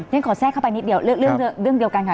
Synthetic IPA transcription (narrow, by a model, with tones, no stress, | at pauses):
ɛ˥nkʰɔ˨˩˦sɛː˥˩kʰa˥˩wpa˧jni˦˥t̚ɗi˧˩əwllɯ˥˩əŋ˧əɾɯ˥˩əŋɗi˧əwkaː˧nkaː˨˦